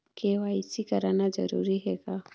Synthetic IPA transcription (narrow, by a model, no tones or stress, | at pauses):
kewaisikɐɾanazɐ̰ɾṵɾiɦɛɡa